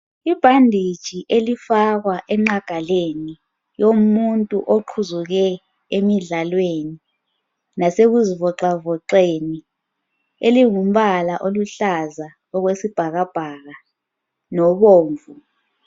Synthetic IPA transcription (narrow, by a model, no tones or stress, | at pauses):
ib̥ʱandʱid̥ʒ̥ʱiʔelifaɣwaʔɛŋ͡ǁaɡ̥ʱaleni | jomuntʼṵʔoǃʰuzuɣɛ | emiɮalweni | naseɣuzivɔǁavɔǀeni | eliŋum̩ɓalaʔoluɬaza | ɔɣwesib̥ʱaɣab̥ʱaːɣa | nɔβoːɱvu